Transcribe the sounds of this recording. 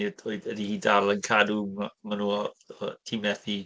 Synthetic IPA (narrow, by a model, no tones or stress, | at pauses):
idɔɨðədihiːdalˠənkʰadumamanuːɔɔtʰimɛθi